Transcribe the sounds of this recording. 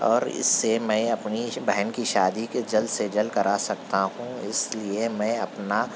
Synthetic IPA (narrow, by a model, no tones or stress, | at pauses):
ɔ̰ːɾɪ̰sːemɛ̃ːɐpnibɛɦənkiʃaːd̪iked͡ʒɐld̪sed͡ʒɐlkɐɾasɐkt̪aɦũɪsliemɛ̃ɐpna